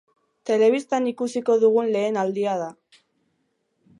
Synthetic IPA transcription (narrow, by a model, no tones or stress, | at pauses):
t̪e̞le̞β̞ist̪anikusiko̞ðuɣunle̞ːnald̪iaða